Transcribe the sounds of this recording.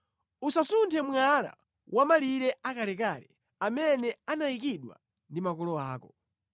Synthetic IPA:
usasuntʰɛmwala̰ | wʔamaliɾɛakalɛkalɛ | amɛnɛanaik̬iɗwa̰ | ndimakɔlɔaːkɔ

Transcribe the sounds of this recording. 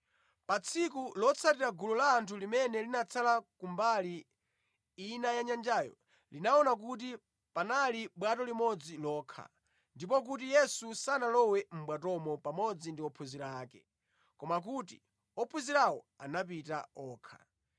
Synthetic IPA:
pat͡sʰikulɔt͡sʰatiɾaɡulɔlaːntʰulimɛnɛlinat͡sʰalakumbali | inajaɲand͡ʒaːjɔ̰ | linaɔnak̬ut̬i | panaliɓwatɔlimɔd͡zilɔːkʰa̰ | ndipɔk̬ut̬ijɛsusanalɔwɛm̩bwatɔmɔpamɔd͡zindiɔpʰuziɾaːkɛ | kɔmak̬uti | ɔpʰuziɾawɔ̰ | a̰napita̰ɔːkʰḁ̰

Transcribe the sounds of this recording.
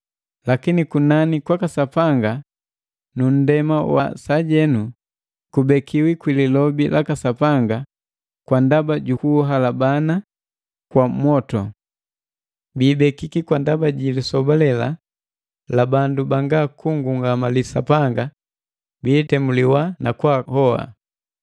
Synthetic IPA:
lakinikunanikwakasapaŋɡa | nun̩dɛmawa̰saɟɛnu | kubɛkʰiwikwililɔbilakasapaŋɡa | kwandabaɟukuɦalabana | kwamwɔtɔ̰ | biːbɛkikikwandabaɟilisɔbalɛla | labandubaŋɡakuŋɡuŋɡamalisa̰paŋɡa | biːtɛmuliwanakwahɔa̰

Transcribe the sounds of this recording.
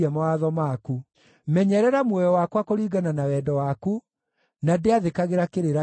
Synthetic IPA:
ɛmɔaðɔmaku | mɛɲɛɾɛɾamwɔjɔwakwakoɾiːɡananawɛːdɔwaku | nadeaðekaɣeɾakeɾeɾa

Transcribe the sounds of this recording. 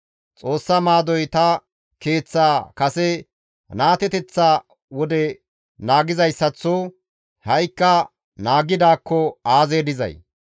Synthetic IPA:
t͡sʼo̞ːsːɐmaːd̪ɔjt̪ɐ | ke̞ːt͡sːaːkɐsɛ | naːt̪ɛt̪ɛt͡sːaː | wɔd̪ɛ | naːɡɪzɐjsːɐt͡sːoː | hɐjkːɐ | naːɡɪd̪aːkːɔaːzeːd̪ɪzɐ̰j

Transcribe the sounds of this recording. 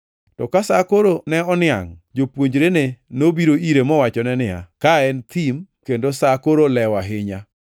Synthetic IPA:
tɔkasakoɾonɛɔnɪa̰ŋd͡ʒopwoɲd͡ʒɾenenobiɾoiɾemɔwat͡ʃɔnɛnɪa̰kaɛnt̪ʰimkendosakoɾolɛwaɦɪɲa

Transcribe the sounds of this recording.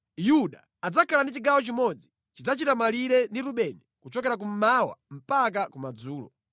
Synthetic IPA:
juɗa̰ːd͡zakʰalandit͡ʃiɡawɔt͡ʃimɔd͡zi | t͡ʃid͡zat͡ʃitamaliɾɛndiɾuɓɛnɛkut͡ʃɔkɛɾak̬um̩mawa̰m̩pakakumad͡zuːlɔ̰

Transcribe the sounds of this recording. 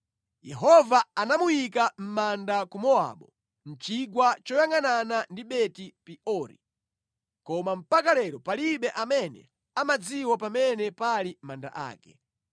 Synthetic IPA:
jɛɦɔvaanamujikam̩mandakumɔa̰ɓɔ | n̩t͡ʃiɡwat͡ʃɔjaŋananandiɓɛtipiʔɔɾḭ | kɔmam̩pakalɛɾɔpaliɓɛʔamɛnɛ̰ | amad͡ziwapamɛnɛpalimanda̰ʔa̰ːkɛ̰

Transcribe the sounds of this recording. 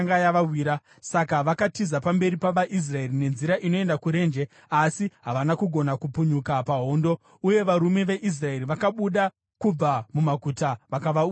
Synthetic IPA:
ŋajaʋawiːɾa | sakaʋakatizapambe̞ɾipaʋaʔis̬rae̞rine̞nziɾaʔino̞e̞ndakuɾe̞nd͡ʒe̞ | asiɦaʋanakuɡʱo̞nakupuɲukapaɦo̞ːndo̞ | uje̞ʋaɾume̞ʋe̞ʔis̬rae̞riʋakaɓuɗa | kub͡vamumaɡʱutaʋakaʋauː

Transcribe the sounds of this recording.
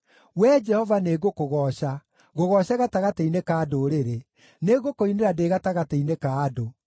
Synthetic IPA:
wɛd͡ʒɛhɔvaneɣokoɣɔɕa | ɣoɣɔɕaɣataɣateinekadoɾeɾe | neɣokoineɾadeɣataɣateinekaːdo

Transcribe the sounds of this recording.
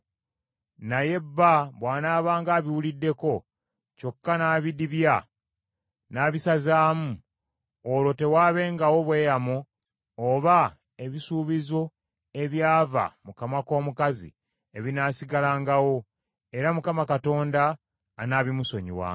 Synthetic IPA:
naje̞bːaβwaːnaːβaːŋɡaːβiwulidːe̞ko̞ | co̞kːanaːβidiβja | naːβisazaːmu | olo̞te̞waːβe̞ːŋɡawo̞βwe̞ːjamoː | βa | e̞βisuːβizo̞ | e̞βjaːva̰mukamako̞ːmukazḭ | e̞βinaːsiɡalaːŋɡawo̞ | e̞ɾamukamakato̞ːndaː | naːβimuso̞ɲḭwa̰ː

